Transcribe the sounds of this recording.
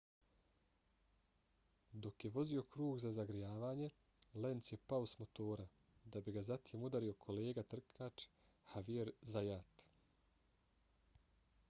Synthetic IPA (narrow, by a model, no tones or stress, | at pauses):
d̪o̞kje̞ʋo̞zio̞kɾuːɡzazaɡɾijaːʋaːɲe̞ | le̞nt̪sje̞paosmo̞t̪o̞ːɾa | d̪abiɡazat̪jeːmud̪aɾio̞kʰo̞leːɡat̪r̩kʰaːt͡ʃ | haʋieɾzajat̪